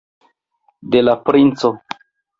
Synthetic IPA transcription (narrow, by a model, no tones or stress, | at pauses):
delapɾint͡so